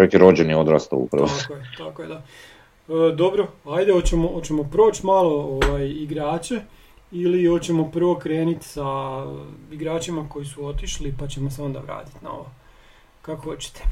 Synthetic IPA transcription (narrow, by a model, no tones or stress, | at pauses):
oekiɾo̞d͡ʑenjiod̪ɾast̪a̰ṵpɾʋoakojet̪akoje̞d̪a | əd̪o̞bɾoajd̪eot͡ɕemoot͡ɕe̞mo̞pɾo̞ːt͡ʃmaːlˠo̞oʋajiɡɾaːt͡ɕe | iliot͡ɕe̞mo̞pr̩ʋo̞kɾe̞ːnit̪sa | iɡɾaːt͡ɕimako̞jisuo̞t̪iʃlipat͡ɕe̞mose̞o̞nd̪a̰ʋɾa̰ːt̪i̥t̪na̰o̰ʋo | kakoho̞t͡ɕe̥t̪e̥